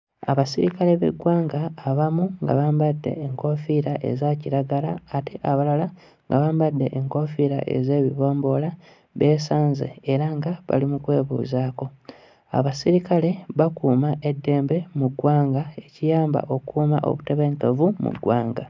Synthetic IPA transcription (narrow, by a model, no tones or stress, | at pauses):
a̰βasiɾikale̞βḛɡwaːŋɡaːβamuŋɡa̰βaːmbadːe̞̰ːŋko̞fiɾaʔe̞̰zaciɾaɡalaːteʔaβalala | ŋɡaβaːmbadːe̞ʔːŋko̞fiɾa̰ʔe̞̰ze̞ːβiβo̞ːmbo̞la | βe̞ːsaːnzḛːɾaŋɡaβa̰limukwe̞ːβṵːzaːko̞ | a̰βasiɾikale̞βakuːmaʔe̞dːe̞ːmbe̞muɡwaːŋɡae̞cijaːmba̰ʔo̞kuːma̰ʔo̞̰βute̞βe̞ːŋkevumṵɡwaːŋɡa